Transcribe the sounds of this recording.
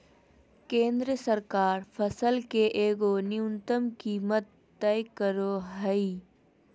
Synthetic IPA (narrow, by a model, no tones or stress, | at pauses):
kẽːnd̪ɾəsəɾkaːɾpʰəsəlkeʔeːɡoniʊnt̪əmkiːmət̪ːɛjkəɾoɦəi